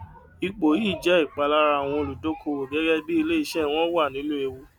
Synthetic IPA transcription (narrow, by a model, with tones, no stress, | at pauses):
i˧k͡po˨iː˦˨d͡ʒɛ˨˦i˦˨k͡pa˧la˦ɾa˧˨w̃ɔ̃˧o˧lu˨do˦kʰo˧wo˨ɡɛ˨˦ɡɛ˦bi˦i˧le˦i˧ʃɛ˦w̃ɔ̃˦wa˦˨nĩ˨˦nũ˦e˧wo˦